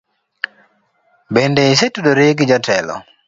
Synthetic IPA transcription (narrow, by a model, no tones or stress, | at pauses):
bendeis̬etudoɾeɡɪd͡ʒatʰɛlɔ̰